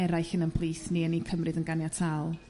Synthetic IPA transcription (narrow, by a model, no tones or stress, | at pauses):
ɛɾajxənənpʰlˠiːsniənikʰəmrɨðənɡanjatʰalˠ